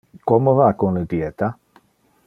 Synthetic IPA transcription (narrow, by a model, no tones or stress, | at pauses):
kɔmovakonled̪iet̪a